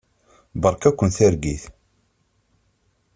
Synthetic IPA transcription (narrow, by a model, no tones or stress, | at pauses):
bəɾˤkækʷːənθæɾɡiθ